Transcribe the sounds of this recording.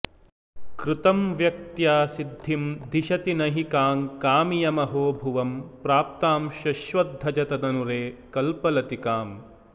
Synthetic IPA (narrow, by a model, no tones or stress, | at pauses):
kɾut̪ɐmʋjɐk̚t̪jaːsid̪ʱːimd̪ʱiʃɐt̪inɐɦikaːŋkaːmijɐmɐɦoːbʱuʋɐmpɾaːp̚t̪aːmʃɐʃʋɐd̪ʱːɐd͡ʒɐt̪ɐd̪ɐnuɾeːkɐlpɐlɐt̪ikaːm